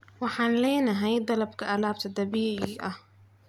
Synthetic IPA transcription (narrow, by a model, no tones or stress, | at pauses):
wɪħanleːnaɦajid̪alab̚kaʔalaːbt̪ad̪abiːʔiʔa